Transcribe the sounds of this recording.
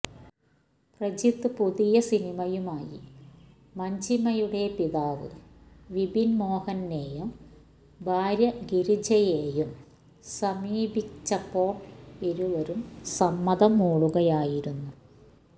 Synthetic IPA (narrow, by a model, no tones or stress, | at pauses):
prɐd͡ʑit̪ːɨpuðijɐsinimɐjumaːjḭ | mɐɲd͡ʑimɐjuɽe̞piðaːʋɨ̰ | ʋibʱinmo̞ːhɐnːeːjum | bʱaːɾjɐɡiɾid͡ʑɐjeːjum | sɐmiːbit͡ɕːɐpːo̞ːʋiɾuʋɐɾumsɐmːɐðɐmoːɭuɣɐjaːjiɾunːu